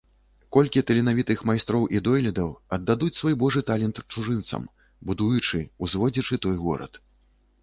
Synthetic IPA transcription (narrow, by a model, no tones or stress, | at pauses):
kɔlʲkʲit̪ɐlʲinavʲit̪ɨxmajst̪ɾɔwʔid̪ɔjlʲɛd̪ɐwɐd̪ːad̪ut͡sʲsvɔjbɔʐɨt̪alʲɛnt̪t͡ʂuʐɨnt̪sɐ̰m | bud̪ujut͡ʂɨuzvɔd͡zʲit͡ʂɨt̪ɔjɣɔ̰ɾɐ̰t̪